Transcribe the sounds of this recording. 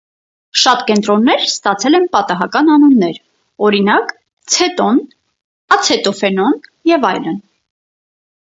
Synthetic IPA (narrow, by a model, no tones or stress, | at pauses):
ʃɑt̪kɛnt̪ɾɔnːɛɾst̪ɑt͡sʰɛlɛnpɑt̪ɑɦɑkɑnɑnunːɛɾ | ɔɾinɑk | t͡sʰɛt̪ɔn | ɑt͡sʰɛt̪ɔfɛnɔnjɛvɑjlən